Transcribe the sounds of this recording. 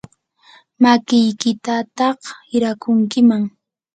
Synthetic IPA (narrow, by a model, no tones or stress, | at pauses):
makɪjkɪt̪at̪ɑhɪɾakʊŋkɪmaŋ